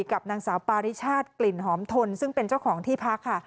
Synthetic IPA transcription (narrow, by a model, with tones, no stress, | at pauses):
ka˨˩p̚naː˧ŋsaː˩˦wpaː˧ɾi˦˥t͡ɕʰaː˥˩t̪̚kli˨˩nɦɔː˩˦mt̪ʰo˧nsɯ˥˩ŋpe˧nt͡ɕa˥˩wkʰɔː˩˦ŋt̪ʰiː˥˩pʰa˦˥kʰːa˥˩